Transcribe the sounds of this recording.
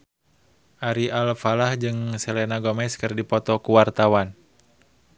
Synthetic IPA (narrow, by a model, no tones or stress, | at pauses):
ʔaɾiʔalfalahd͡ʒɨŋsɛlɛnaɡɔmɛskɨrdipɔt̪ɔkuwart̪awan